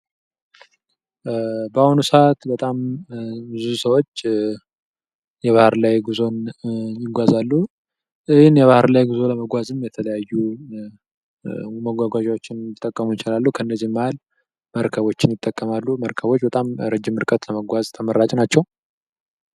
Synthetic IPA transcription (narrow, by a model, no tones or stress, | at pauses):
bəahunusəʔat̪bət̪ʼambɨzusəwo̞t͡ʃː | jɛβahɾlajɡuzo̞njɪɡʷazalːu | ʔɨhɪnjɛβahɾlajɡuzo̞ləməɡʷazɨmjɛt̪ʰələjajːu | məɡʷaɡʷaʒawo̞t͡ʃːɪnjɪt̪ʼːəkʼːəmujɪt͡ʃɪlalːukʰəɨnːəzːihmːahal | məɾkʰəβo̞t͡ʃːɪnjɪt̪ʼːəkʼːəmalːuməɾkʰəβo̞t͡ʃːbət̪ʼamɾəd͡ʒːɪmɨɾkʼət̪ləməɡʷazt̪ʰəməɾːat͡ʃʼnat͡ʃːɛw